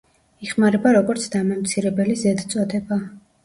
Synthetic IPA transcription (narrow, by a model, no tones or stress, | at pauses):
iχmaɾɛbaɾɔɡɔɾt̪sʰd̪amɔmt̪sʰiɾɛbɛlizɛd̪t̪sʼɔd̪ɛba